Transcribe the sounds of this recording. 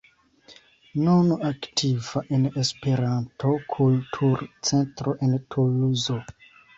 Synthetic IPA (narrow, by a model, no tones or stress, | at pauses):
nunaktʰivaʔe̞nespe̞ɾantʰo̞kʰultʰuɾt͡se̞ntɾoʔentʰuluzo̞